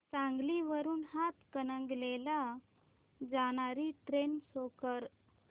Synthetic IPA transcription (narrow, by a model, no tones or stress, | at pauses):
t͡sãŋɡliʋəɾuːnhat̪kənəŋɡlela | d͡zaɽ̃aɾiːʈɾensokəɾ